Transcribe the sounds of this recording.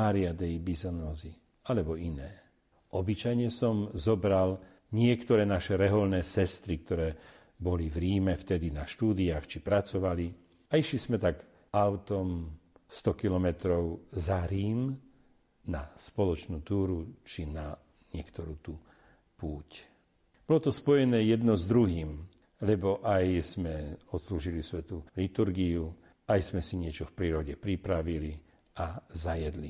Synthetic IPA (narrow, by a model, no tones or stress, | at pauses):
aːɾɪad̪ɛjbizɔnɔːzi | alɛbɔinɛː | ɔbit͡ʃajɲɛsɔmzɔbɾal | ɲɪɛkt̪ɔɾɛːnaʃɛɾɛɦɔlnɛːsɛst̪ɾik̚t̪ɔɾɛː | bɔlivɾiːmɛft̪ɛd̪inaʃt̪uːd̪iaːxt͡ʃipɾat͡sɔʋali | aiʃlizmɛt̪aɡ | aʊt̪ɔmst̪ɔkilɔmɛt̪ɾɔʊzaɾiːm | naspɔlɔt͡ʃnuːt̪uːɾut͡ʃina | ɲɪɛkt̪ɔɾuːt̪u | puːc | bɔlɔt̪ɔspɔjɛnɛːjɛd̪nɔzd̪ɾuɦiːm | lɛbɔʔajzmɛɔt̪sluːʒilisʋɛt̪ulit̪uɾɡiju | ajsmɛsiɲɪɛt͡ʃɔfpɾiːɾɔɟɛpɾipɾaʋili | azajɛd̪lḭ